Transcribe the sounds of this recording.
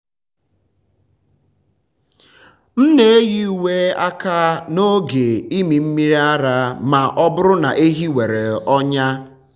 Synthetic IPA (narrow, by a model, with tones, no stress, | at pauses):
m̩˦ne˦e˦ji˦u˨we˦a˦ka˦no˦ɡe˨i˦mi˨m̩˦mi˦ɾi˦a˦ɾa˦ma˨ʔɔ˦bʊ˦ɾʊ˦na̰˨ʔe˦ɦi˦we˨ɾe˨ɔ˦ɲa˦